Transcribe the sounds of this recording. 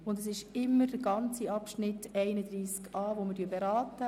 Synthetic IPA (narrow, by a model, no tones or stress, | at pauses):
ʊndɛs̬ɪʃɪmːəɾd̥əɡɑnt͡siɑpʃnɪtɛɪnəd̪ɾiːskʰɑːʋoməɾdyːɾbeɾaːtə